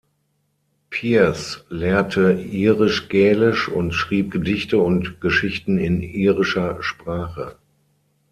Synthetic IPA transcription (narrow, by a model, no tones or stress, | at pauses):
pʰiːslɛːɐtʰəiːʁɪʃɡ̥ɛːlɪʃʊntʃʁ̥iːp̚ɡ̥ədɪçtəʊntɡ̥əʃɪçtn̩ɪniːʁɪʃɐʃpʁ̥aːχə̰